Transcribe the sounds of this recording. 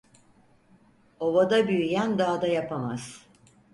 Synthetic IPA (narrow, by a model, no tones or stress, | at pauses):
o̞vad̪abyjyjænd̪aːd̪ajapʰamaz̥